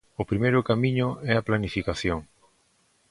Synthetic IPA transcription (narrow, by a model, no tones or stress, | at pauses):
ʊpɾimejɾʊkamiɲʊɛaplanifikaθjoŋ